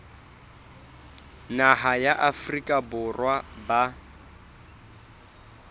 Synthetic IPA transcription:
naɦajaʔafrikʼabʊrwaba

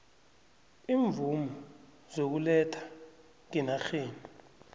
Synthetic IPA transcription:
iːɱvumɔ | z̥ok̬ulɛtʰḁ | ŋinaxeːni

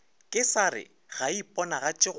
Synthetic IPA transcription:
kʼɪsaɾɪ̰ | ɣaipʼɔnaɣat͡ʃʼɪ

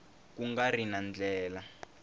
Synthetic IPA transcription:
k̬uŋɡarinand͡ɮɛːla

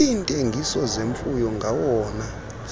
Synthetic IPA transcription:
intʼeŋɡʱisɔzeɱfujɔŋɡʱawɔːna

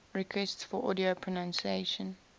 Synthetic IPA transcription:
ɹɛkʰwɛstsfɔʔɔ̰diopʰɹɔnãnsieɪʃə̃n

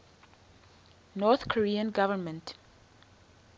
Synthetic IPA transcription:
nɔθkʰɔɹiə̃nɡavəmə̃nt

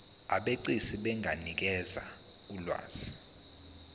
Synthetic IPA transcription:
aɓeǀisiɓɛŋʱanik̬ɛza | ulwa̰ːz̥i

